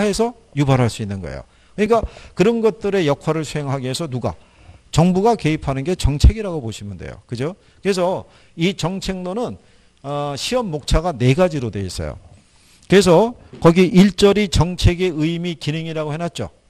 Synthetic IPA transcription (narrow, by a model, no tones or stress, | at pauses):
ɦe̞sʰʌ | jubaɾɦaɭs͈uinːɯnɡʌ̰ḛjo̰ | kɯɲik͈akɯɾʌnɡʌt̚t͈ɯɾe̞jʌkʰwaɾɯɭsʰuɦe̞ŋɦaɡiɦesʰʌnuɡa̰ | t͡ɕʌŋbuɡake̞ipʰanɯnɡe̞t͡ɕʌŋt͡ɕʰe̞ɡiɾaɡoboɕʰimjondḛjo̰kɯd͡ʑo | kɯe̞sʰʌ | it͡ɕʌŋt͡ɕʰe̞ŋnonɯn | ɕʰiʌmːok̚t͡ɕʰaɡane̞ɡad͡ʑiɾodwe̞ḭs͈ʌ̰jo̰ | kɯe̞s̬ʰʌkʌɡiʔiɭt͡ɕ͈ʌɾit͡ɕʌŋt͡ɕʰe̞ɡe̞ɯimikineŋiɾaɡohenɦat̚t͡ɕ͈o̰